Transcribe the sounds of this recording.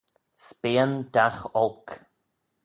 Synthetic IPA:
speənd̪axɔlk

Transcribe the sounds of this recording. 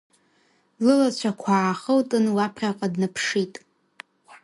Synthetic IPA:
lɨlat͡ɕʷʰakʷʰaːχəwtʼɨnwapʰrʲaqʼadnɨpʰʂitʼ

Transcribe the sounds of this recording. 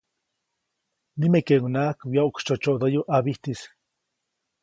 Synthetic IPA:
nimekeŋunakwjaukt͡ʃot͡ʃoʔd̪ojuʔaβiht̪is

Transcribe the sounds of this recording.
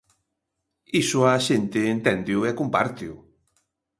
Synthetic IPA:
isʊaʃent̪eːnt̪ɛnd̪iʊɛkompaɾt̪iʊ̰

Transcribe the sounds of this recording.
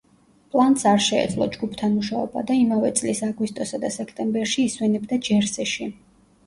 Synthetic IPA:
pʼlˠant̪saɾʃɛɛ̰d̪zlˠɔ̰d͡ʒɡupʰt̪ʰanmuʃaɔba̰d̪aimavɛt̪sʼlisaɡwist̪ʼɔsad̪asɛkʰt̪ʼɛmbɛɾʃiːswɛnɛbd̪ad͡ʒɛɾsɛʃi

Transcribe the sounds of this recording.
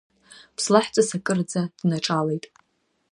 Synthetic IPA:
pʰslaħt͡sʷʼasakʼɨrd͡zad̥naʈ͡ʂʼale̞jtʼ

